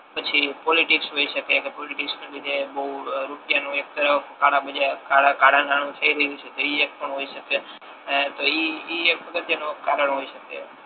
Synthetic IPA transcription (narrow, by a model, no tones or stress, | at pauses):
pət͡ʃʰipɔliʈiksɦoiʃəkekepɔliʈiksmebid̪ebəɦuɾupjanũek̚t̪əɾəfkaɽãbəd͡ʒakaɽakaɽanaɽ̃ũt̪ʰəiɾəɦiut͡ʃʰet̪oiek̚pəɳɦoiʃəke | t̪oiiekəkət̪janokaɾəɳɦoiʃəkḛ